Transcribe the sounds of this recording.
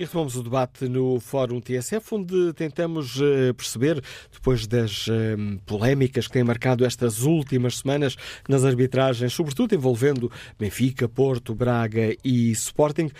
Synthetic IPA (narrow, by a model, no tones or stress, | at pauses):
iʁɨt̪umɐmuzuðɨβat̪ɨnufɔɾũt̪eɛsɛfõnd̪ɨt̪ẽnt̪ɐmuʃɛpɨɾsɨβeɾd̪̥ɨpojʒðɐʃɛpulˠɛmikɐʃk̚t̪ɐ̃j̃mɐɾkaðuɛʃt̪ɐzulˠt̪imɐʃsɨmɐnɐʃnɐzɐɾβit̪ɾaʒɐ̃j̃ʃsuβɾɨt̪uðuẽvolˠvẽnd̪ubẽfikɐpoɾt̪uβɾaɣɐispɔɾt̪ĩŋɡ